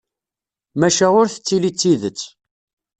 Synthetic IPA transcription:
mæʃæʊɾθə̥t͡sːilit͡sːiðət͡sː

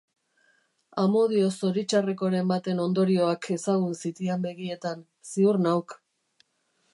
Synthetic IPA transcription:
amo̞ðio̞so̞ɾit͡ʃare̞ko̞ɾe̞mbat̪e̞no̞nd̪o̞ɾio̞akʰe̞saɣ̞unsit̪iambe̞ɣie̞t̪an | siurnawk

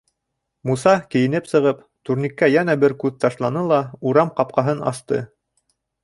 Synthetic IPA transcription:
musɑkɘ̆jɘ̆nɘpsɤ̆ʁɤp | t̪uɾnʲikːæjænæbɘɾkʉðt̪ɑʃlˠɑnɤlˠɑuɾɑmqɑp̚qɑɦɤnɑ̰st̪ɤ̰

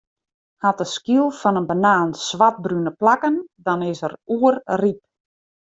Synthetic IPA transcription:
hat̚əskilˠfɔnənbənaːnsʋat̚brynəplakəndɔnɪsəruərrip̚

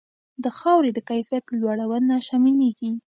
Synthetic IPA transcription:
d̪əxɑwɾed̪əkajfijat̪lwaɽawənaʃɑmileɡi

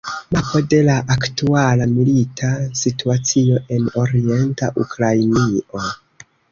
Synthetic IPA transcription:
mapo̞de̞laʔaktualamilitʰasituat͡sio̞ʔe̞no̞ɾie̞ntaʔukɾajnio̞

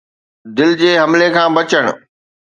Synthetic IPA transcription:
d̪ɪld͡ʑeːɦɐmlekʰãːbɐt͡ɕəɽ̃ʊ̰̆

